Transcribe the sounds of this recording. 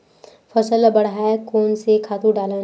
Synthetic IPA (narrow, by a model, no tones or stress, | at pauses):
fʰəsəlabɐɽ̤ɦaːekoːnsekʰaːt̪uɖaːlẽ